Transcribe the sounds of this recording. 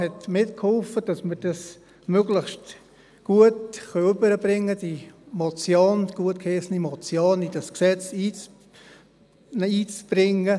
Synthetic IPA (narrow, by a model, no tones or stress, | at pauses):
hɛtmɪtkʰhɔlfəd̥ɑsmərd̥ɑs | møɡləχʃt | ɡ̥uətχœʏbəɾəbɾɪŋːəd̥imɔt͡sjoːnɡ̥uətkʰhesnimɔt͡sjoːnid̥ɑsksɛt͡siːt͡s | iːt͡sb̥rɪŋːə